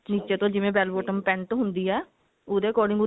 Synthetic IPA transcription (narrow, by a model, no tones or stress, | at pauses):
niːt͡ʃeːt̪õːd͡ʒɪʋẽːbɛːlbɔːʈəmpɛ̃ːɳʈ̪oɦʊnd̪iːɦɛː | ʊd̪eːkɔːɖɪ̃ŋɡʊ